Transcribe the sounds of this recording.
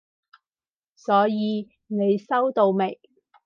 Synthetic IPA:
sɔː˨˥jiː˨˧ | ne˨˧jsɐ˥wt̪o˧wme˨˩j

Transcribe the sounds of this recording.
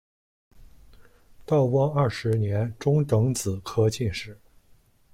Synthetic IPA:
t̪ɑ˥˩ʊkwɑ˥ŋɐ˥˩ʂɻ̩˧˥njɛ˧˥nʈ͡ʂʊ˥ŋt̪ɤ˧˥ŋt͡sɹ̩˨˩kʰɤ˥t͡ɕi˥˧nʂɻ̩˥˩

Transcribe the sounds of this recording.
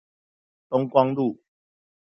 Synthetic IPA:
t̪ɔ˦ŋkwa˦ŋlu˥˨

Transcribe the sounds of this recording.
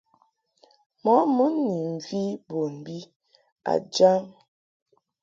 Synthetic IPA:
mɔ˨˦mu˦nː˦i˨ŋ̩˨ɡi˦bo˨m̩˨bi˦ | a̰˨d͡ʒa˦m

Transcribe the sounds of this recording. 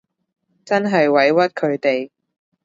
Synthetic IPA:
t͡sɐ˥nɦɐ˨jwɐ˨˥jwɐ˥t̚kʰɵ˨˧ɥt̪e˨j

